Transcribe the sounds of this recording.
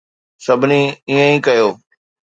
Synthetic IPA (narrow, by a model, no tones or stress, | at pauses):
sɐbʱniiːə̃ĩːkɐjoː